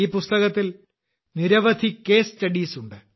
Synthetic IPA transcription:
iːpust̪ɐɣɐt̪ːil | niɾɐʋɐd̪ʱikːe̞ːstɐɽiːsuɳɖɨ

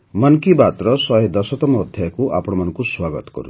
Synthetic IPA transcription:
mʌnkibat̪ɾɔsɔɦed̪ɔsɔt̪ɔmɔːd̪ʱjajkuʔa̰pɔɽ̃ɔmanɔŋkuswaɡɔt̪ɔ̥kɔ̰ɾu

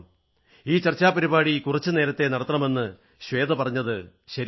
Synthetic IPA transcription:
iːt͡ɕɐrt͡ɕːaːpɐɾibaːɽikurɐt͡ɕːɨne̞ːɾɐt̪ːe̞nɐɽɐt̪ːɐrɳɐme̞nːɨ | ɕʋe̞ːd̪ɐpɐrɐɲːɐðɨɕɐɾ

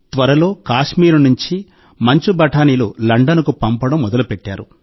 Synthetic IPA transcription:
t̪ʋɐɾɐlo̞ːkaːʂmiːɾunuɲt͡ʃi | mɐɲt͡ʃubɐʈaːniːlulɐɳɖɐnɐkupɐmpɐɽɐmːɔd̪ɐlupeʈːaːɾu

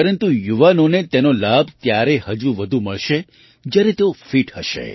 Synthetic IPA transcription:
pəɾənt̪ujuʋanonet̪enolabʱt̪jaɾehəd͡ʒuʋəd̪ʱuməɭʃe | d͡ʒjaɾet̪eofiʈhəʃḛ

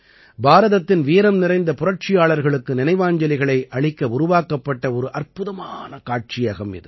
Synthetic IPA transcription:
bʱaːɾɐðɐt̪ːɪnʋiːɾɐmnɪrɐɪnd̪ɐpʊrɐʈʈ̚t͡ʃɪjaːɭɐɾɣɐɭɯkːɯnɪnɐɪʋaːɲd͡ʒɐlɪɣɐɭɐɪʔɐɭɪkːɐʊɾʊʋaːkɐpːɐʈːɐɔɾɯʔɐrpɯðɐmaːnɐkaːʈ̚t͡ʃɪjɐɣɐmɪ̰ðɯ̰

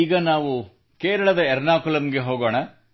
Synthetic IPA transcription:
iːɡɐnaːʋu | keːɾɐɭɐd̪ɐɛɾnaːkulɐmɡe̞ɦoːɡo̞ːɳɐ

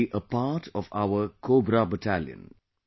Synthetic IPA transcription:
ʔəpaːʈʰɔʋa̰ʊəkʰoːbɾabəʈæljə̰̃n

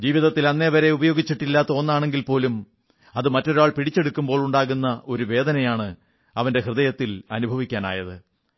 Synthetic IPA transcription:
d͡ʑiːʋiðɐt̪ːilɐnːeʋɐɾe̞ubɐjo̞ːɡit͡ɕːiʈːilːaːt̪ːɐonːaːɳe̞ŋɡilpo̞ːlum | ɐðɨmɐtːo̞ɾuaːɭpiɽit͡ɕːe̞ɽukːumbo̞ːɭuɳɖaːɣunːɐʔo̞ɾuʋe̞ːd̪ɐnɐjaːɳɨ | ɐʋɐnde̞ɦrɨðɐjɐt̪ːilɐnubʱɐʋikʲːaːna̰ːjɐðɨ

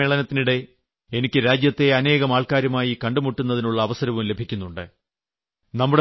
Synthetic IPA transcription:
eɭɐnɐt̪ːiniɽe̞ | enikʲːɨɾaːd͡ʑjɐt̪ːe̞ɐne̞ːɣɐmaːɭkaːɾjɐmaːjikɐɳɖumuʈːunːɐðinuɭːɐːʋɐsɐɾɐʋumle̞bʱikʲːunːuɳɖɨ | nɐmːuɽe

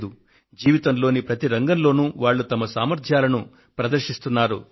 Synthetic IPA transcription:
d̪u | d͡ʒiːʋit̪ɐmlo̞ːnipɾɐt̪iɾɐŋɡɐnlo̞ːnuʋaːɭːut̪ɐmɐsaːmɐɾt̪ʰjaːlɐnu | pɾɐd̪ɐɾʃist̪unːaːɾṵ

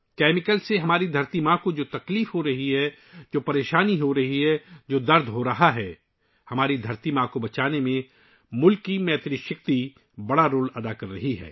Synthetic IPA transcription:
kɛːmɪkəlseɦɐmaːɾid̪ʱɐɾt̪imãkod͡ʒoːt̪ɐkliːfɦoɾɐɦiɦɛ | d͡ʒoːpɐɾeːʃaːniɦoɾɐɦiɦɛd͡ʒoːd̪ɐɾd̪ʱɦoɾɐɦaɦɛː | hɐmaːɾid̪ʱɐɾt̪imãkobɐt͡ʃaːnemẽ | mʊlkːimɛːt̪ɾɪʃɪk̚t̪i | bɐɽaɾoːlɐd̪akɐɾːɐ̰ɦiɦɛ̰ː

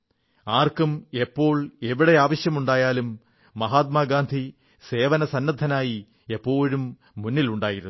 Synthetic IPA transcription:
aːrkume̞pːo̞ːɭe̞ʋiɽe̞aːʋɐɕjɐmuɳɖaːjaːlumː | ɐɦaːt̪̚maːɡaːnd̪ʱi | se̞ːʋɐnɐsɐnːɐd̪ʱɐnaːji | e̞pːo̞ːɻumː | unːiluɳɖaːjiɾunː

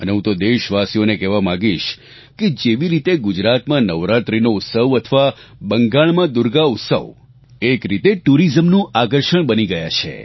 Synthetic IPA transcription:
əneɦũt̪od̪eʃʋasijonekɛʋamãɡiʃ | ked͡ʒeʋiɾit̪eɡʊd͡ʒɾat̪mãnəʋɾat̪ɾinout̪səʋət̪ʰəʋabəŋɡaɭmãd̪uɾɡaʊt̪sə̰ʋ | ekɾit̪eʈuɾizəmnũakəɾʃəɳbəniɡəja̰t͡ʃʰḛ

